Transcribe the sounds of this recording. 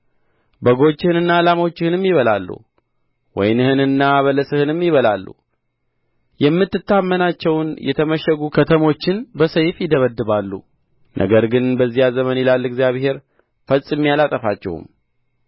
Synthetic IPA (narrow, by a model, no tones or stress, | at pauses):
bəɡo̞t͡ʃːɪhɨnɨnːaːlamo̞t͡ʃːɪhɨnɨmːjɪβəla̰lːṵ | wɔ̰jnɨhɨnɨnːaβələsɨhɨnɨmːjɪβəlalːṵ | jɛmːɨt̪ːɨt̪ːamːənat͡ʃːɛwnjɛ̰t̪ʰəməʃɛɡukʰət̪ʰəmo̞t͡ʃːɪnbəsəjfjɪd̪əβəd̪ːɨβalːṵ | nʔə̰ɡəɾɡɨnbəzːijazəmənɪlalːɛɡzijaβhe̞ɾ | fəsʼmːijalat̪ʼəfat͡ʃːɛ̰hṵm